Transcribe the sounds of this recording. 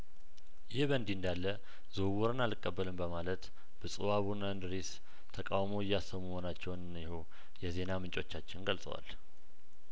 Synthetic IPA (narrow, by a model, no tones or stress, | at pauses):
jɪhbənd̪ɪnd̪alːə | zowɔɾɨnalɨkʼːəbːəlɨmbəmalət̪ | b̥əsʼɨwaβunənd̪ɾis | t̪ʰəkʼawmoɪjːasəmːəmonat͡ʃːɛwnɨnjɪho | jɛze̞namɨnt͡ʃʼo̞t͡ʃːat͡ʃːɪnɡəlsʼə̰wa̰l